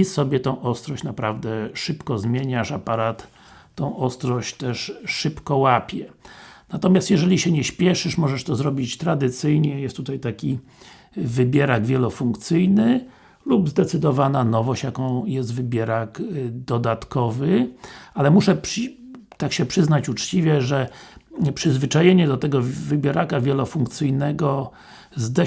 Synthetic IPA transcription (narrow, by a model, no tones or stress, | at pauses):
isɔbʲjɛt̪ɔ̃w̃ʔɔst̪ɾɔɕt͡ɕnapɾavd̪ɛʂɘpkɔzmʲjeɲaʂapaɾat̪ː | ɔ̃w̃ʔɔst̪ɾɔɕt͡ɕt̪ɛʂʂɘpkɔwapʲjɛnat̪ɔmʲjast̪jɛʐɛlʲiɕɛɲɛɕpʲjɛʂɘʂmɔʐɛʂt̪ɔzɾɔbʲit͡ɕt̪ɾad̪ɘt̪sɘjɲɛjɛst̪ːut̪ajt̪akʲi | vɘbʲjɛɾaɡvʲjɛlɔfuŋkt̪sɘjnɘ | lubzd̪ɛt̪sɘd̪ɔvananɔvɔɕt͡ɕjakɔ̃w̃jɛst̪vɘbʲjɛɾakd̪ɔd̪at̪kɔvɘalɛmuʂɛpt̪akɕɛpʂɘznat͡ɕut͡ʂt͡ɕivʲjɛʐɛ | pʂɘzvɘt͡ʂajeɲɛd̪ɔt̪ɛɡɔvɘbʲjɛɾakavʲjɛlɔfuŋkt̪sɘjnɛɡɔ | zd̪ɛ